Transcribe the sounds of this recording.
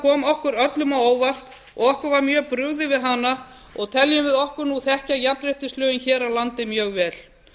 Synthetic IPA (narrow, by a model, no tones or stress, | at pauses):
kʰɔːmɔhkʏɾœt̪lʏmawoːwvar̥t | ɔ̰ɣɔhkʏɾvaɾmjœːpɾʏɣðɪvɪðɦanːa | ɔɣt̪ʰɛljʏmvɪðɔhkʏɾnuθɛhcajap̪ɾɪht̪ɪst̪lœːɣɪnçɛːɾalant̪ɪmjœːɣvɛːl̥